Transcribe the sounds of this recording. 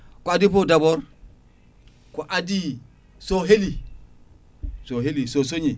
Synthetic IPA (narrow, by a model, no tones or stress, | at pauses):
koadipodaboɾ | koʔadi | soɦeli | soɦelisos̬oɲi